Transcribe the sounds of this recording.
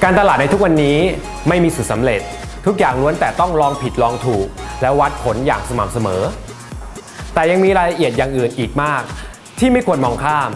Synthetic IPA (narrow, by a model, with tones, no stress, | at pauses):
kaː˧nt̪a˧laː˨˩t̪̚na˧jt̪ʰu˦˥k̚wa˧nːiː˦˥ | ma˥˩jmiː˧su˨˩sa˩˦mɾe˨˩t̪̚ʰːu˦˥k̚jaː˨˩ŋlu˦˥ənt̪ɛː˨˩t̪ɔ˥˩ŋɾɔː˧ŋpʰi˨˩t̪̚lɔː˧ŋt̪ʰuː˨˩k̚lɛː˦˥wa˦˥t̪̚pʰo˩˦njaː˨˩ŋ̚sa˧ma˨˩˥p̚sa˧mɤː˩˦ | t̪ɛː˨˩ja˧ŋmiː˧ɾaː˧jla˧ʔi˨˩ət̪̚jaː˨˩ŋʔɯː˨˩nʔiː˨˩k̚maː˥˩k̚ | t̪ʰiː˥˩ma˥˩jkʰu˧ənmɔː˧ŋkʰaː˥˩m